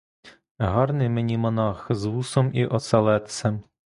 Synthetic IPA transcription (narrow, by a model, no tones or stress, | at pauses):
ɦɑrnɪjmenʲimɔnɑxzʋusɔmiʔɔsɐlˠɛt̪sɛm